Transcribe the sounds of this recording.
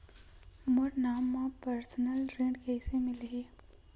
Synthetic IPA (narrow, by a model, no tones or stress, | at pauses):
mʊɽnaːmːãpəɾsənəlɾẽːɖkɛːsemɪlɦeː